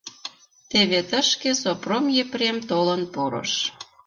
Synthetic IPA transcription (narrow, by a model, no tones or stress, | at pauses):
t̪eβet̪əʃkesopromjepremt̪olənpoɾɤ̰ʃ